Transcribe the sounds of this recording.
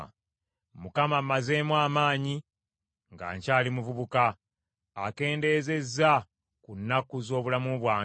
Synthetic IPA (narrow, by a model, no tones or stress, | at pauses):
mukamamːaze̞ːmwaːmaːɲi | ŋɡa̰ːɲcaːlimuvuβukaː | ke̞ːnde̞ːze̞zːa | kunːakuzo̞ːβulamuβwaː